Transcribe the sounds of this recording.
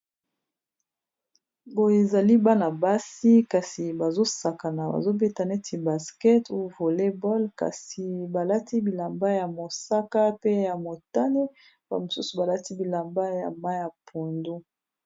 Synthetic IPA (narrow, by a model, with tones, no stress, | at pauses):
bo˨je˨za˨li˦ba˦na˨ba˦si˦ka˨si˨ba˨zo˦sa˨ka˨na˨ba̰˨zo˦be˦ta˨nɛ˦ti˨ba˨skɛ˦tu˦˨vo˨le˦bɔ˦lka̰˨si˨ba˨la˦tʰi˦bi˨la˨mba˦ja˨mo˨sa˦ka˦pe˦ja˨mo˨ta˦ne˦ | b̥a̰˨mo˨su˦su˨ba˨la˦ti˦bi˨la˨mba˦ja̰˨ma˦ja˨pʰu˨ndu˦